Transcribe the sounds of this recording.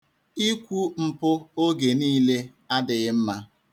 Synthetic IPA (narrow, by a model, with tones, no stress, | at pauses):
i˦kʷu˦m̩˨pʊ˦o˦ɡe˨niː˦le˦ | a˦dɪ˨ɣɪ˦m̩˦ma˦